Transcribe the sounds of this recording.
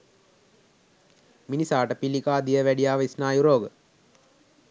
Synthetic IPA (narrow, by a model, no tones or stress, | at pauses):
minisaːʈəpilikaːd̪ijəʋæɖijaːʋisnaːjuɾoːɡə